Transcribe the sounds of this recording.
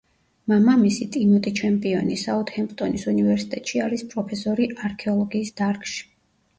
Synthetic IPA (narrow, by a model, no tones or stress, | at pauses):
mamamisit̪ʼimut̪ʼit͡ʃʰɛmpʼiɔnisaɔt̪hɛmpʼt̪ʼɔnisunivɛɾsi̥t̪ʼɛt̪ʼʃiaɾispʼɾɔpʰɛsɔɾiʔaɾkʰɛɔlˠɔɡiːsd̪̥aɾkʼʃi̥